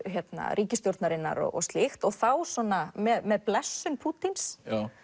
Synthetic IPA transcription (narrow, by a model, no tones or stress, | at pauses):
çɛt̪na̰rʔiːcɪst̪jowɾt̪naɾɪnːa̰ɾɔ̰ɣɔ̰st̪lɪxt̪ɔɣθawsɔːnːamɛðmɛðplɛsːʏnpʰuːt̪ins